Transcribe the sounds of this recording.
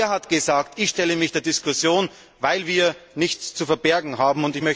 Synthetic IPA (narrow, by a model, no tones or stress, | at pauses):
eːɐhatɡ̥əzaːktɪçʃtɛləmɪçd̥eːɐdɪskʊsjoːn | vaɪlviːɐnɪçt͡st͡sufɛɐbɛɐɡŋ̩ɦaːbm̩ʊntɪçmœç